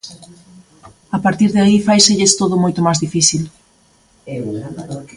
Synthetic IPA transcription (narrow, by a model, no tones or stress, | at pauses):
apaɾt̪iɾðaifajseʎɪst̪oðʊmojt̪ʊmazðifiθil